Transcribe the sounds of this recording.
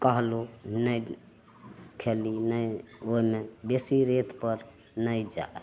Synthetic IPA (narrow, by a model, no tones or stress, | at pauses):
kəɦlonəj | kʰelinəjoimebesiɾet̪ʰpəɾ | nəjd͡ʒa̰